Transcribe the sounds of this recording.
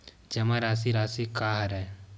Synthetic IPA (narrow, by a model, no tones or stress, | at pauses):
d͡ʒɐmaɾaːs̬iɾaːsikaɦɐɾɛ